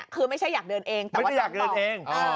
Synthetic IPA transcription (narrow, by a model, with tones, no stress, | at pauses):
kʰɯː˧ma˥˩jt͡ɕʰa˥˩jaː˨˩k̚dɤː˧nʔeː˧ŋt̪ɛmː˨˥˩waː˥˧˩jaː˨˩k̚dɤː˧nʔeː˧ŋʔː